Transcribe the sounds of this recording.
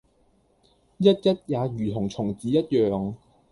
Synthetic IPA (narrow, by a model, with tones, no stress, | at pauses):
jɐ˥t̚jɐ˥t̚jaː˨˧ɥyː˨˩t̪ʰʊ˨˩ŋt͡sʰʊ˨˩ŋt͡siː˨˥jɐ˥t̚jœː˨ŋ